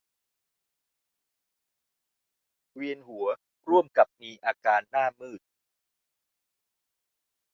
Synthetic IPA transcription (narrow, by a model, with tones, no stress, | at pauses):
wi˧ənɦu˩˦ɐ | ɾu˥˩əmka˨˩p̚niː˧ʔaː˧kaː˧nːaː˥˩mɯː˥˩t̪̚